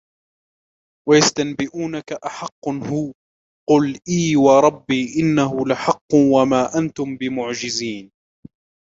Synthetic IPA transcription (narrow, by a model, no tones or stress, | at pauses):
wajast̪anbɪʔuːnakaʔaħɑqːhʊː | qʊlʔiːwɑɾˤɑbːiːʔɪnːaɦʊlaħɑqːʊwamaːʔant̪ʊmbɪmʊʕd͡ʒɪziːn